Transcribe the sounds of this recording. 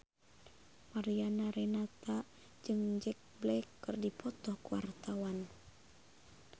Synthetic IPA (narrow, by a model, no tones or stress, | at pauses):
maɾianaɾɛnat̪a | d͡ʒɨŋd͡ʒɛk̚blɛkːɨrdipʰɔt̪ɔhkuwa̰rt̪awan